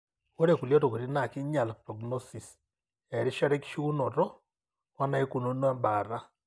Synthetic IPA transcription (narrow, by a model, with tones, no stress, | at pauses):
o˦ɾe˨ku˨ljɔ˦to˨ku˨ɾi˦na˨ki˦ɲa˨lpɾɔ˨ɡnɔsi˨s | ɛ˨ɾi˦ʃa˦ɾe˦ki̥˦ʃu˦nɔ˨ɾɔ˦ | wa˦na˦e˦ku˨no˦nwa˦mba˨ɾa˦